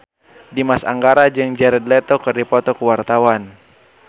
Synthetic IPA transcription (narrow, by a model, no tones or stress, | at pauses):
dimasa̰ŋɡaɾad͡ʒɨŋd͡ʒɛɾɛd̪lɛt̪ɔkɨrdipɔt̪ɔkəwart̪awan